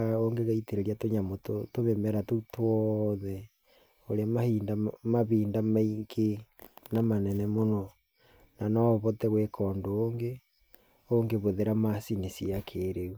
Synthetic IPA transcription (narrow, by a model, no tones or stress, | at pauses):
aoŋɡeɣaiteɾeɾiatoɲamototoβemɛɾatotwɔðɛ | oɾeamahindamaβiːndamaiŋɡenamanɛnɛmonɔ | nanɔβɔtɛɣwekʰɔːndoːŋɡe | oŋɡeβoðeɾamasinesiakʰeɾeu